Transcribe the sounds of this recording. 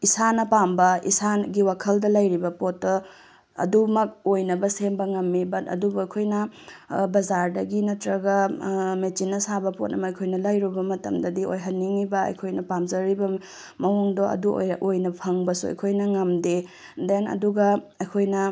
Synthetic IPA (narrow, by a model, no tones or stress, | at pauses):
isanɐpambɐḭsaɡiwakʰɐldɐlɐjɾibɐpotːo | ɐ̰dumɐk̚ojnɐbɐsembɐŋɐmːibɐtɐ̰dubuɐjkʰojnɐbɐzaɾdɐɡinɐtɾɐɡɐmet͡ʃinːɐsabɐpot̚nɐ̰mɐːjkʰojnɐlɐjɾubɐmɐtɐ̰mdɐdio̰jɦɐnːiŋibɐɐ̰jkʰojnɐpamzɐɾibɐ | mɐwuŋdoɐ̰dṵjʔojnɐpʰɐŋbɐsuɐ̰jkʰojnɐŋɐmde | denɐ̰duɡɐɐjkʰojnɐ